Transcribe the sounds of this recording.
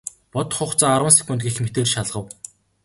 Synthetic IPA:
pɔt̪χʊχt͡saːaɾwə̆nsi̥kʲunt̪ɡixmet̪eːrʃaɮʁə̆w

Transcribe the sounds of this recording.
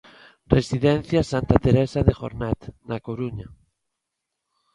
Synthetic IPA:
resiðɛn̟θjasant̪at̪eɾesaðexo̰ɾnɛt̪nakoɾuɲa

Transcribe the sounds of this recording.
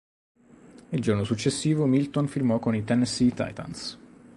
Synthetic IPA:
ild͡ʒornosut͡ʃːesːiːvomilt̪onfirmɔkonit̪ɛnɛsit̪a̰jt̪a̰ns

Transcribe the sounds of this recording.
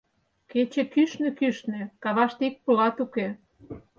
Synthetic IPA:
ket͡ɕekyʃnĕkyʃnĕkɑβɑʃt̪eik̚pulɑt̪uke

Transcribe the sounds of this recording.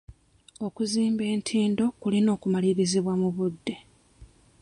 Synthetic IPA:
o̞kuziːmbe̞ːntʰiːndo̞kulino̞ːkumaliɾiziβwamuβudːe̞

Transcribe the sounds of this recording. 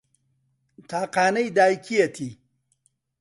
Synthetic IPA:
t̪ʰaːqaːnɐjd̪aːjkʰijɐt̪ʰi

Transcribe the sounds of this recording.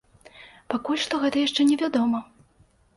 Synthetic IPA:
pakulʲʂt̪ɔɣɛt̪ɐjaʂt͡ʂɛnʲɛvʲad̪ɔmɐ

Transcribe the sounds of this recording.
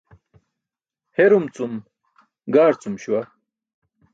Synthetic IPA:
heɾumt͡sum | ɡaːɾt͡sumɕuwa

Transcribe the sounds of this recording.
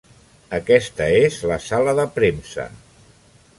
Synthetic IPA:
əkɛst̪əezləsaləðəpɾemsə̰

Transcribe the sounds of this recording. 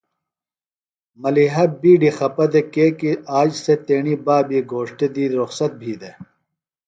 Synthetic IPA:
mɐliɦɐbiːɖixɐpɐd̪ekeːkiaːd͡ʑset̪eːɳibaːbiɡʱoːʂʈed̪iːɾuxsɐt̪̚bʱiːd̪e

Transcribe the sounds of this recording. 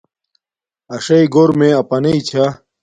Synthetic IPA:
ɐʂɐiɡoɾmẽɐpɐneit͡ɕʰa

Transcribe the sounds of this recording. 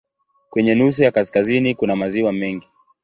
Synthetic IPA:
kwɛɲɛnus̬ujakaskazinikunamaziwamɛŋɡi

